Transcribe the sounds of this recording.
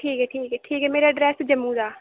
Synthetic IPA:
ʈʰiːkɦɛːʈʰiːkɦɛːʈʰiːkɦɛːmeːɾaːɖɾɛːsd͡ʒəmːũːd̪aː

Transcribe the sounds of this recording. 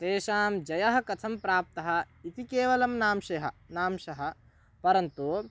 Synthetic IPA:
t̪eːʃaːmd͡ʒɐjɐɦɐ̆kɐt̪ʰɐmpɾaːp̚t̪ɐɦɐ̆ | it̪ʰikeːʋɐlɐmnaːmʃeɦɐ̆naːmʃɐɦɐ̆ | pɐɾɐnt̪u

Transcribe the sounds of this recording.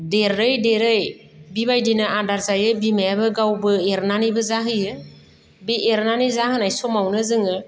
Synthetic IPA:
deɾəjdeɾəj | biβajdinəʔadaɾt͡sajɯbimɛbɯɡawbɯeɾnanibɯzaɦɯjɯ | beʔeɾnanizaɦɯnajsomawnɯzɯŋɯ

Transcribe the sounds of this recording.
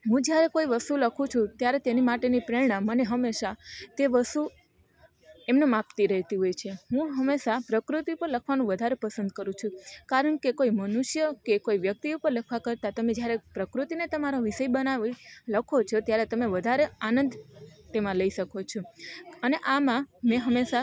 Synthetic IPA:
ɦũd͡ʒjaɾekoiʋəst̪uləkʰũt͡ʃʰũt̪jaɾet̪enimaʈenipɾeɾɳ̃ãmːəneɦəmːeʃat̪eʋəst̪u | emnemapt̪iɾəɦt̪iɦojt͡ʃʰeɦũɦəmːeʃapɾəkɾut̪ipəɾləkʰʋanũʋəd̪ʱaɾepəsə̃nd̪̚kəɾũt͡ʃʰũkaɾəɳkekoimənuʃjəkekoiʋjək̚t̪iupəɾləkʰʋakəɾt̪at̪əmed͡ʒjaɾepɾəkɾut̪inet̪əmaɾoʋiʃəibənaʋiləkʰot͡ʃʰot̪jaɾet̪əmeʋəd̪ʱaɾeanə̃nd̪t̪emãləiʃəkʰot͡ʃʰoəneʔamãmẽɦəmːeʃa

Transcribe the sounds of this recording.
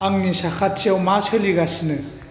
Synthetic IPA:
aŋnisakʰat̚t͡ʃiawmasʰeliɡasnɯ

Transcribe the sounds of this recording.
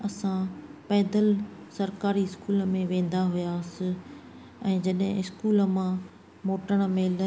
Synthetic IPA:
ɐsãpɛːd̪əlsɐɾkaːɾiɪskuːlə̆mẽʋẽːn̆d̪aɦʊjaːsɪ̆ | ɛ̃ːd͡ʑɐɗɦɪ̰̃ɪskuːlə̆mã | moːʈəɽ̃ə̆melə

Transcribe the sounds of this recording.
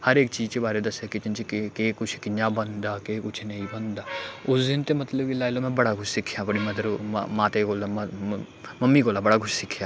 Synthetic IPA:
hɐɾeːkt͡ʃiːzt͡ʃebaːɾed̪ɐsekɪt͡ʃ̪ɪnt͡ʃikkeːkʊt͡ʃʰkɪɲabɐnd̪aːkeːkʊt͡ʃʰnɐĩbɐ̃nd̪aːʊsd̪ɪnt̪emɐt̪ləbkilaːɪlomɛ̃bɐɽakʊt͡ʃʰsɪkʰjãbɐɽimɐd̪əɾmãːt̪eɡoːlam | mɐmːiɡoːlaːbɐɽakʰʊt͡ʃʰsɪkʰjaː

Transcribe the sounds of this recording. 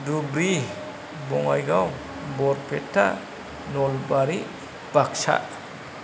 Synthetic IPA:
dubɾi | bɔŋajɡaw | bɔɾpʰetʰːa̰ | nɔlbaɾi | b̥ak̚sa̰

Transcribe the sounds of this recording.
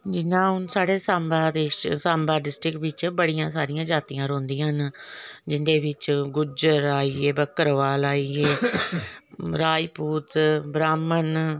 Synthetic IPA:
d͡ʒɪnãːɦʊnsaːɽeːsaːmbaːd̪esãːmbaːɖɪsʈɾɪkʋɪt͡ʃbəɽijãːsaːɾijãːd͡ʒaːt̪ijãːɾõːnd̪ĩːãːɦənd͡ʒɪnd̪eːʋɪt͡ʃɡʊd͡ʒəɾaːiːeːbəkːəɾʋaːlaːieː | ɾaːipuːt̪bɾaːmən

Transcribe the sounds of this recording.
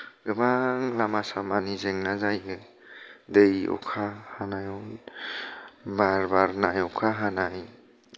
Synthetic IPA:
ɡɯbaŋlamasamanizeŋnazajɯ | d̪ejɔ̰kʰahanajɔ | baɾbaɾnajɔkʰaɦanaj

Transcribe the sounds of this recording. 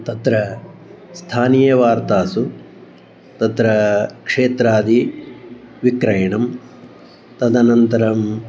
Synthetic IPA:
t̪ɐt̪ɾɐ | st̪ʰaːnijɐʋaːɾt̪aːsu | t̪ɐt̪ɾɐkʂeːt̪ɾaːd̪i | ʋikɾɐjɐɳɐm | t̪ɐd̪ɐnɐnt̪ɐɾɐm

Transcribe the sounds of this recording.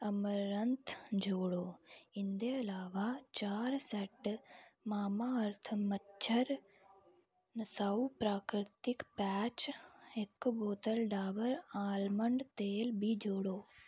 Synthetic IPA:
ɐməɾɐnt̪ʰd͡ʒoːɽoːɪnd̪eɐlaːʋat͡ʃaːɾsɛʈmaːmaɐɾt̪ʰmɐtːʃʰəɾ | nɐsaːupɾaːkɾɪt̪ɪkpɛːt͡ʃekːboːt̪əlɖaːʋəɾaːlməɳɖt̪eːlbʱid͡ʒoːɽoː

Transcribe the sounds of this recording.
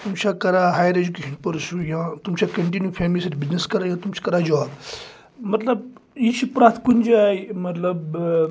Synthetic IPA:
t̪umt͡ʃʰakɐɾaɦaːjɾed͡ʒukeːʃənpɐɾʃujãːt̪umt͡ʃʰakɐɳʈinjupʰeːmilisɐɾbizneskɐɾajãːt̪umt͡ʃʰi̥kɐɾad͡ʒɔ | mɐt̪ləbit͡ʃʰipɾaːt̪ʰkund͡ʒaːjmɐt̪lɐb

